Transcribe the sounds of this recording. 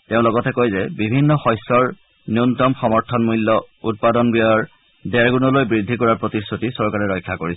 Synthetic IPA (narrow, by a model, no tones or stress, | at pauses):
teʊ̃lɔɡɔtɛkojzɛbibʱinːɔxɔjsɔɹ | nuntɔmxɔmɔɹtʰɔnmulːɔ | ut̚padɔnbijɔjɔɹ | dɛɹɡunɔlojbɹidʱːikɔɹaɹpɹotistʰutisɔɹkaɹɛɹɔjkʰːakoɹisɛ